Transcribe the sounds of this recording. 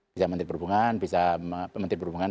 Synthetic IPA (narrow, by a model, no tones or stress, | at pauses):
isamənt̪ɾt̚pəɾubuŋanbisaməmənt̪ɾɪtpəɾubuŋan